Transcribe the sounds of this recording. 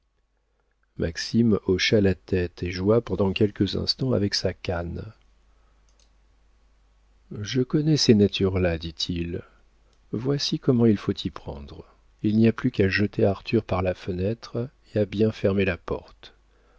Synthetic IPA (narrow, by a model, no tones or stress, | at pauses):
mʔa̰ksimɔʃalat̪ɛt̪ʰeʒuapɑ̃d̪ɑ̃kʲɛlkəzɛ̰̃st̪ɑ̃a̰vɛksakan | ʒəkɔnɛsenat̪ʰyʁlad̪it̪ʰil | vwasikɔmɑ̃ilfot̪ʰipχɑ̰̃d̪ʁ | ilniaplykaʒət̪ʰeaʁt̪yʁpaʁlafənɛt̪χ | eabjɛ̃fɛʁmelapɔ̰ʁt̪